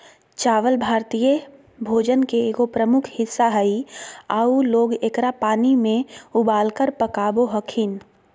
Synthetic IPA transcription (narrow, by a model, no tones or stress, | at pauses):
t͡ʃaːʋəlbʱaːɾt̪ijə | bʱoːd͡ʒənkeːɡopɾəmʊkʰhɪsːaɦəiaːuloːɡekɾapaːnimẽʊbaːlkəɾpəkaːboɦəkʰɪn